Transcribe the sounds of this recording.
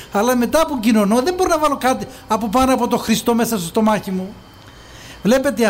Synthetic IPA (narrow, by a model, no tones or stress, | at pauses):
ɐlɐme̞t̪ɐpuɟino̞noðe̞mbo̞ɾinɐvɐlo̞kɐt̪iɐpop̬ɐnoɐp̬o̞t̪o̞xɾist̪o̞me̞sɐst̪ost̪o̞mɐçimu | vle̞pe̞t̪e